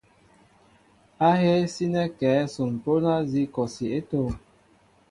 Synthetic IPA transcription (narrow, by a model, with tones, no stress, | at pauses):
a˦ɦe˦si˦nɛ˦kɛː˨˦so˨m˨po˦na˦zi˦kɔ˨si˨e˦to˦˨